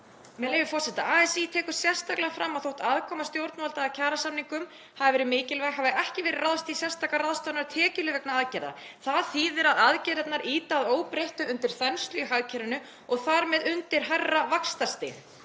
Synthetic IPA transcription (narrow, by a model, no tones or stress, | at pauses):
mɛlejvɪfɔr̥sɛht̪aaːɛsit̪ʰɛːkʏ̥sjɛ̥st̪aklaɣafɾamːaðθowht̪aðkʰɔːmast̪jowɾt̪nvɔlt̪aːcʰaːɾasamniŋkʏm | havɪvɛːɾɪmɪːcɪlvaɦavɪʔɛhcɪvɛːɾɪraðst̪isjɛ̥st̪aklaraðst̪anaɾʏt̪ʰɛːcɪlɪvɛknaaðcɛɾða̰ | θaðθiːðɪɾaðaðcɛɾɛt̪naɾʔiːt̪aːðoːwpɾejht̪ʏʏnt̪ɪɾ̥θɛnst̪lʏɦaɣcʰɛɾɪnʏ | ɔɣθaɾmɛðʏnt̪ɪɾɦarːavakst̪ast̪ɪːn